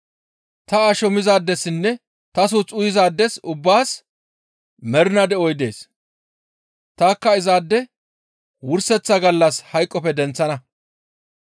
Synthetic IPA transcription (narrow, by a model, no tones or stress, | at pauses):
t̪ɐaːʃɔmɪzaːd̪ːɛsɪnːɛ | t̪ɐs̬ut͡sʼʊjɪzaːd̪ːɛsʊbːaːs | mɛɾɪnɐd̪ɛʔɔjd̪e̞̰ːs | t̪aːkːɐɪzaːd̪ːɛ | wʊɾsɛt͡sːɐɡɐlːɐshɐjkʼːɔpɛd̪ɛnt͡sːɐnɐ